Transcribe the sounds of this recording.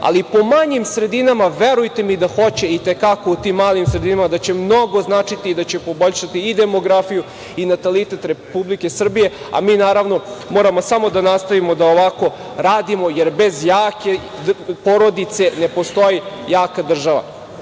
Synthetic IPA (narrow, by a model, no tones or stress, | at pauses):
a̰lipo̞maɲimsɾe̞d̪inamaʋeɾujt̪emid̪axo̞t͡ɕe̞it̪e̞kakout̪imːaːlˠimsɾed̪inamad̪at͡ɕe̞mno̞ɡo̞znaːt͡ʂit̪iːd̪at͡ɕe̞po̞bo̞ʎʃat̪iːd̪e̞moɡɾafiju | inat̪alit̪et̪ɾepublike̞sr̩bije̞ | a̰miːnaːɾaʋno̞mo̞ːɾamosamo̞d̪anast̪aʋimod̪aoʋako̞ | ɾaːd̪imo̞jeɾbe̞zjaːke | poɾo̞d̪it̪se̞ne̞po̞st̪ojijaːkad̪r̩ʒaʋa̰